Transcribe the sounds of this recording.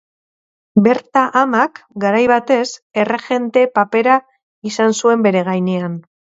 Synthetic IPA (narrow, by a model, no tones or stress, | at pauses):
be̞ɾt̪aʔamakɡaɾajβat̪e̞se̞re̞ʝe̞nt̪e̞pape̞ɾa | isansue̞mbe̞ɾe̞ɣ̞ajnean